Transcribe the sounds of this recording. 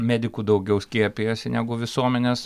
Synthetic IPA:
mʲæːd̪ʲɪkuːd̪ɐʊɡʲɛʊsʲkʲiɛpʲijɛsʲɪnʲæːɡʊʋʲɪsuɔmʲɛnʲeːs

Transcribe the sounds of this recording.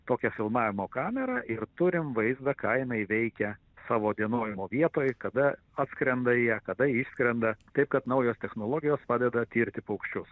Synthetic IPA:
t̪oːkʲɛfʲɪlˠmɑːʋʲɪmoːkɑːmʲɛɾɐʔɪɾt̪ʊɾʲɪmʋɐɪzd̪ɐkɐɪnɐɪʋʲɛɪkʲɛ | sɑːʋoːd̪ʲiɛnoːjɪmoːʋʲiɛt̪oːjkɐd̪ɐ | ɑːt̪skɾʲɛnd̪ɐjɛkɐd̪ɐɪʃskɾʲɛnd̪ɐt̪ɐɪp̚kɐt̪nɐʊjoːst̪ʲɛxnoːlˠoːɡʲɪjoːspɑːd̪ʲɛd̪ɐt̪ʲiːɾʲt̪ʲɪpɐʊkʃʲt͡ʃʲʊs

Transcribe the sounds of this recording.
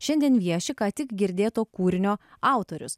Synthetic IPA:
ʃʲɛnʲd̪ʲiɛnʋʲiɛʃʲɪkɑːt̪ʲɪkɡʲɪɾʲd̪ʲeːt̪oːkuːɾʲɪnʲoː | ɑˑʊt̪oːɾʲʊ̰s

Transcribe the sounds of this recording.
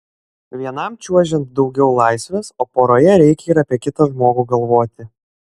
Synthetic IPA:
ʋʲiɛnɐmt͡ʃʲuɔʒʲɛnt̪̚d̪ɒʊɡʲɛʊlˠɑˑɪsʲʋʲeːsoːpoːɾoːjɛɾʲɛɪkʲɛiːɾɐpʲiɛkʲɪt̪ɐʒmoːɡuːɡɐlˠʋoːt̪ʲɪ

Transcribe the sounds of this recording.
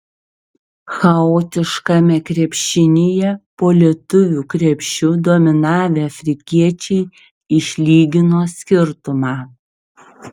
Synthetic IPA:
xɐoːt̪ʲɪʃkɐmʲɛkɾʲɛpʲʃʲɪnʲejɛpoːlʲɛt̪ʊʋʲuːkɾʲɛpʲʃʲt͡ʃʲʊd̪oːmʲɪnɑːʋʲeːɐfʲɾʲɪkʲiɛt͡ʃʲɛɪ | ɪʃʲlʲiːɡʲɪnoːsʲkʲɪɾt̪ʊmɑː

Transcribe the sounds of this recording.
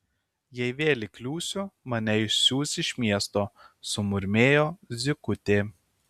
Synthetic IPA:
jɛɪʋʲeːlʲɪklʲuːsʲʊmɐnʲɛɪʃʲsʲuːsʲɪʃʲmʲiɛst̪oːsʊmʊɾʲmʲeːjoːzʲɪkʊt̪ʲeː

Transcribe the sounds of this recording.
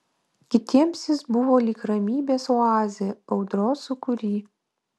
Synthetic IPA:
kʲɪt̪ʲiɛmsʲjɪsbʊʋoːlʲiːkɾɐmʲiːbʲeːsoɑːzʲeɐʊd̪ɾoːsʊkʊɾʲiː

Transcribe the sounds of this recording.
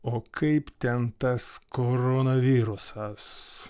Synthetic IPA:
oːkʰɐɪpt̪ʲɛnt̪ɐskoːɾonɐʋʲiːɾʊsɐs

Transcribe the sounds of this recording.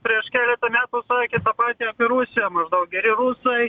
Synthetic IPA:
pʲɾʲiɛʃkʲæːlʲɛt̪ɐmʲæːt̪uːsɑːkʲɪt̪ɐpɑːt̪ʲiɐpʲɪɾusʲɪjɛmɐʒd̪ɐʊk̚ɡʲɛɾʲɪɾusɐɪ

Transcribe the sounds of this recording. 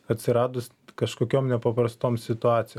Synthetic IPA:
ɐt̪ʲsʲɪɾɑːd̪ʊs | kɐʃkoːkʲoːmnʲɛpɐpɾɐst̪oːmsʲɪt̪ʊɑːt̪sʲɪjo

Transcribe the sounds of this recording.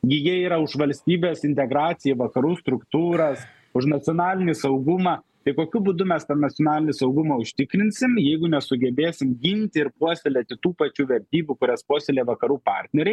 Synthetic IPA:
ɡʲɪjiɛiːɾɐʊʃʋɐlʲsʲt̪ʲiːbʲeːsɪnʲt̪ʲɛɡɾɑːt̪sʲɪjɛʋɐkɐɾuːst̪ɾʊkt̪uːɾɐs | ʊʃnɐt͡s̪ʲɪoːnɑːlʲɪnʲiːsɐʊɡʊmɑː | t̪ɐɪkoːkʲʊbʊd̪ʊmʲɛst̪ɐnɐt͡s̪ʲjoɔnɑːlʲɪnʲɪsɐʊɡʊmɑːʊʃʲt̪ʲɪkɾʲɪnʲsʲɪmjɛɪɡʊnʲɛsʊɡʲɛbʲeːsʲɪmɡʲɪnʲt̪ʲɪɪɾpuɔsʲɛlʲɛːt̪ʲɪt̪uːpɐt͡ʃʲuːʋʲɛɾʲt̪ʲiːbʲuːkʊɾʲɛspuɔsʲelʲeːʋɐkɐɾuːpɑ̰ːɾʲt̪ʲnʲɛɾʲɛɪ

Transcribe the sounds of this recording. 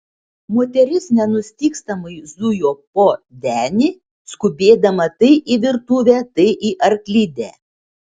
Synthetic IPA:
moːt̪ʲɛɾʲɪsnʲɛnʊsʲt̪ʲiːkst̪ɐmɐɪzʊjoːpoːd̪ʲæːnʲiː | skʊbʲeːd̪ɐmɐt̪ɐɪʔiʋʲɪɾt̪uːʋʲæːt̪ɐɪʔiʔɐɾklʲɪd̪ʲæ̰ː

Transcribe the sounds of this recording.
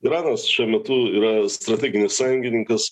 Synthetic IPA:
ɪɾɑːnɐsʃʲuɔmʲɛt̪ʊiːɾɐst̪ɾɐt̪ʲɛːɡʲɪnʲɪsɑjʊŋʲɡʲɪnʲɪŋkɐs

